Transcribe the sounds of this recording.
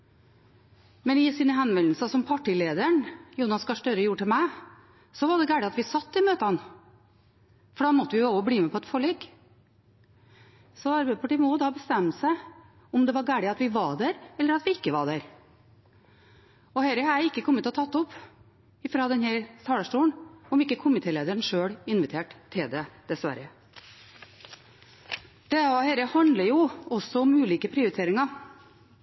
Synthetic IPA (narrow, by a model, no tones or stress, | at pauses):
mɛnɪsiːnəɦɛnʋɛlːl̩sɑsɔmpʰɑʈɪleːd̪əəɳjuːnɑskɑʂʈ̪œɾəjuːʈʰɪlmæɪ | sɔʋɑɖ̪ɛɡæːɖɪɑt̪ʋɪsɑt̪ːɪmøːt̪əɑn | fɔɖɑːmɔt̪ːəʋɪjʊoːʋəbliːmɛpʰɔɛt̪fɔɭɛːk | sɔɑɾbæɪd̪əpʰɑʈiːmɔd̪ɑbəst̪ɛmːəsæɪ | ɔmd̪ɛʋɑɾɡæːɽɪɑt̪ʋɪʋɑɖ̪æɾɛlːəɾɑt̪ʋɪɪkːəʋɑɖæɾ | ɔhɛɾəhɑɾɪkːəkʰɔmːət̪ʰːɔt̪ʰɑt̪ːɔpː | ɪfɾɑːd̪ɛnhæɾst̪ʰɑːləʂʈuːənɔmɪkːəkʰʊmɪt̪ʰeːleːd̪əɾɳʂøːɽɪnʋɪt̪ʰeːʈt̪ʰːɪld̪ɛd̪̥ɛsʋæ̰ɾə | d̪̥ɛɔheɾəhɑnd̪ləjʊɔsːɔʊmʉːliːkəpʰɾɪʊɾɪt̪ʰeːɾɪŋɑ